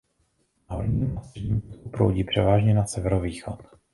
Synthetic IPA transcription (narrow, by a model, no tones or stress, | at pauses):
o̰lɲiːmasrɛdɲikupɾo̰wɟiːpr̝̥ɛvaːʒɲɛnasɛvɛɾoviːxot̪